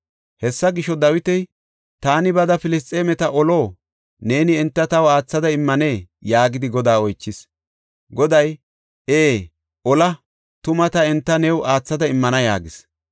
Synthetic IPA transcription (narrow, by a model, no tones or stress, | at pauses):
hɛsːɐɡɪʃɔd̪ɐwɪt̪ɛj | t̪aːnɪbɐd̪ɐfɪlɪst̪ʼːeːmɛt̪ɐʔɔlo̞ː | ne̞ːnɪɛnt̪ːɐt̪ɐwaːt͡sːɐd̪ɐɪmːɐneː | jaːɡɪd̪ɪɡɔd̪aːɔjt͡ʃːɪs | ɡɔd̪ɐj | ʔeː | ʔɔlɐ | t̪ʊmɐt̪ɐɛnt̪ːɐnɛwʔaːt͡sːɐd̪ɐɪmːɐnɐja̰ːɡɪs